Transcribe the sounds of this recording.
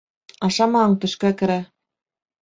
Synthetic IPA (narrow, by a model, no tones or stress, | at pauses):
ɑʃɑmɑɑɴt̪ɵ̆ʃkækɘ̆ɾæ